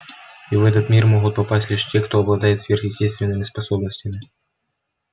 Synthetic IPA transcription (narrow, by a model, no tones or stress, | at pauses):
ivɛt̪ət̪mʲirmoɣʊt̪̚pɐpasʲtʲlʲiʂtʲe̞kt̪oɐblˠɐd̪ajɪt̪svʲerxjɪsʲtʲest̪vʲɪnːɨmʲɪspɐso̞bnəsʲtʲɪmʲɪ